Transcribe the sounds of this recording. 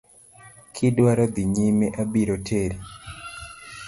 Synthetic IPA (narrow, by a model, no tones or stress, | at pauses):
kʰidwaɾɔd̪iɲimeʔabiɾɔtʰeɾi